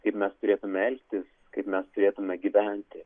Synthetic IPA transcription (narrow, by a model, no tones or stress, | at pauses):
kɐɪpmʲɛst̪ʊɾʲeːt̪ʊmʲɛɛlʲkt̪ʲɪs | kɐɪpmʲɛst̪ʊɾʲeːt̪ʊmʲɛɡʲiʋʲænʲt̪ʲɪ